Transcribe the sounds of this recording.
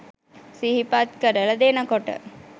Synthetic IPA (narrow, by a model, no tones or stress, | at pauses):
siɦipat̪̚kəɾəlɐd̪eːnəkoʈə̰